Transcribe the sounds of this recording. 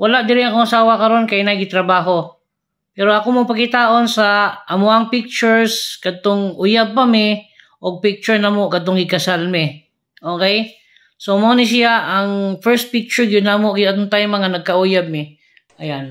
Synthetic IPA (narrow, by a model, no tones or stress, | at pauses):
wɐlaʔd̪ɪɾɪɐkoŋɐsaːwɐkɐɾo̞nkɐjnaɡɪt̪ɾɐbaːɦo̞ | pɛːɾoʔɐkomopɐkɪt̪aːʔo̞nsɐʔɐmoʔɐŋpɪk̚t͡ʃʊɹskɐt̪oŋʔʊjab̚kɐmɪ | ʔoɡ̚pɪk̚t͡ʃʊɹnɐmokɐt̪oŋɪkɐsalmɪ | ʔoːkɛj | somonɪs̬ɪaʔɐŋfɛɹst̪̚pɪk̚t͡ʃʊɹɡʊnːamoɐt̪oŋt̪aːjʊmɐŋanɐɡ̚kɐʔujab̚mɪ | ʔɐjan